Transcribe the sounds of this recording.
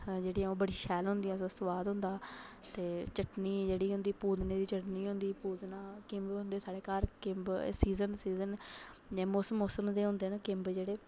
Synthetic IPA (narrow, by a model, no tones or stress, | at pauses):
d͡ʒeːɽiãoːbəɽiːʃɛːlɦʊ̃nd̪ijãːsəsəʋaːd̪ɦʊ̃nd̪aː | t̪eːt͡ʃəʈniːd͡ʒeːɽiːɦʊ̃nd̪iːpuːd̪neːd̪iːt͡ʃəʈniːɦʊ̃nd̪iːpuːd̪naːkɪmbɦʊ̃nd̪eːsaːɽeːkaːɾkɪmbsiːzənsiːzən | d͡ʒãːmoːsəmːoːsəmd̪eːɦʊ̃nd̪eːnaːkɪmbd͡ʒeːɽeː